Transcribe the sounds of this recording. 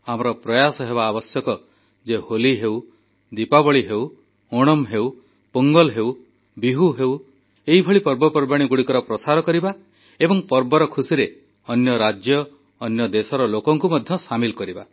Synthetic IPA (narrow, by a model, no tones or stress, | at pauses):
amɔɾɔpɾɔjasɔɦeβaːbɔsjɔkɔ | d͡ʒeholiɦew | d̪ipabɔɭiɦew | oɽ̃ɔmɦew | poŋɡɔlɦew | biɦuɦew | eɦibʱɔɭipɔɾbɔpɔɾbaɽ̃iɡuɽikɔɾɔpɾɔsaɾɔkɔɾiba | ebɔŋpɔɾbɔɾɔkʰusiɾe | ɔnjɔɾad͡ʒjɔː | njɔd̪esɔɾɔlokɔŋkumɔd̪ʱjɔsamilkɔɾiba